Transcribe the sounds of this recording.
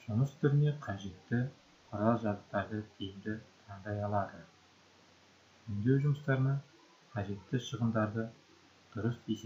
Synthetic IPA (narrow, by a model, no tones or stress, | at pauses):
ʒ̥ʊməst̪ʰʏɾɪne̞qʰɑʒe̞t̪ːɪ | qʰʊɾɑlˠʒɑzəqt̪ɑɾd̪əd̪ʰejɪmd̪ɪt̪ʰɑɴd̪ɑjɑlˠɑd̪ə | ɪnd̪e̞wʒʊməst̪ɑɾənɑ | qʰɑʒe̞t̪ːɪʃəʁəmd̪ɑɾd̪ə | d̪̥ʊɾəsese